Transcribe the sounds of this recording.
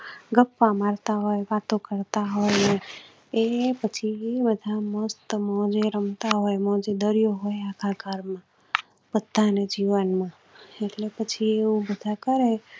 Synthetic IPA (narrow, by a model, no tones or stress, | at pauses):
ɡəpːamaɾt̪aɦojʋat̪õkəɾt̪aɦojne | epət͡ʃʰiebəd̪ʱaməst̪mɔ̃d͡ʒeɾəmt̪aɦojmɔ̃d͡ʒed̪əɾijoɦojakʰaɡaɾmã | pəd̪ʱːaned͡ʒiʋənmã | eʈlepət͡ʃʰieũbəd̪ʱakəɾe